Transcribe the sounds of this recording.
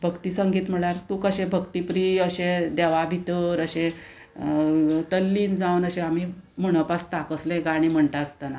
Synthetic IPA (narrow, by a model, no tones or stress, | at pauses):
bʱəkt̪iːsəŋɡiːt̪m̤əɭaɾt̪uːkəɕẽbʱəkt̪ipɾiəɕẽd̪ɛʋabʱit̪əɾəɕẽ | t̪əlːiːnd͡zawnəɕẽamim̤əɽ̃əpast̪akəslẽɡaɽ̃iːm̤əɳʈaəst̪ana